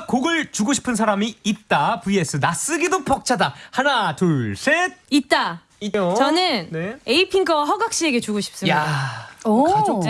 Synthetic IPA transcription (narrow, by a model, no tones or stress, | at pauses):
koɡɯɭt͡ɕuɡoɕʰi̥pʰɯns̬ʰaɾamiːt̚t͈apɯes͈ʰɯnas͈ɯɡidopʌk̚t͡ɕʰadahanatoɭsʰet̚it̚t͈a | iot͡ɕʌnɯnneeipʰiŋɡʌwaɸʌɡak̚ɕ͈ieɡe̞t͡ɕuɡoɕʰi̥p̚s͈ɯmja